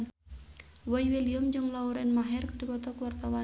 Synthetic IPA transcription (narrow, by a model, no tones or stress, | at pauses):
wɔiweliɔmd͡ʒɨŋlauɾɛnmaɦɛrkdibɔt̪ɔkuwart̪awa